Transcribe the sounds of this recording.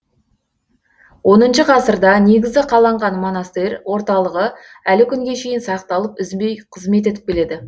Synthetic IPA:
wʔo̞nənʃəqʰɑsəɾd̪ɑne̞ɡʲɪzɡ̪ʲɪqʰɑlˠɑɴʁɑnmo̞nɑst̪eɾwo̞ɾt̪ɑlˠəʁə | ælɪkʲʰʏŋɡʲe̞ʃe̞jɪnsɑqt̪ɑlˠəpʏzmbe̞jqʰəzme̞t̪̬e̞t̪ɪ̥p̚ʲe̞le̞d̪ɪ

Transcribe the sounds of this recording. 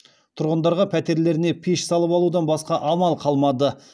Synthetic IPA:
t̪ʰʊɾʁənd̪ɑɾʁɑpʰæt̪e̞ɾle̞ɾɪne̞pʰiʃsɑlˠəpɑlˠud̪ɑnbɑsqɑʔɑmɑlˠqʰɑlˠmɑd̪ə

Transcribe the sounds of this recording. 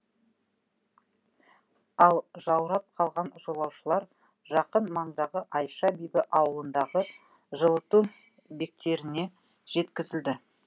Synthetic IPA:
ɑlˠʒɑwɾɑp̚qʰɑlˠʁɑnʒolˠɑwʃəlˠɑɾ | ʒɑqənmɑɴd̪ɑʁəʔɑjʃɑbijbɪʔɑwəlˠənd̪ɑʁə | ʒəlˠət̪u | be̞k̚t̪e̞ɾɪne̞ | ʒ̥e̞t̪kʲɪzɪld̪ɪ

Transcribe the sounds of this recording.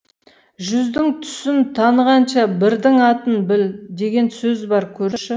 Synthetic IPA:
ʒʏzd̪ɪŋt̪ʰʏ̥sɪnt̪ʰɑnəʁɑnʃɑbɪɾd̪ɪŋɑt̪ənbɪld̪e̞ɡʲe̞nsɵzbɑɾkʲʰɵɾʃɪ

